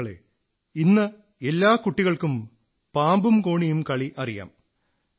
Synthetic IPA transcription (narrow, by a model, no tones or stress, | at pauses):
ɐɭḛ | inːɐ | elːaːkuʈːiɣɐɭkum | paːmbumkoːɳijumkɐɭiʔɐrija̰ːm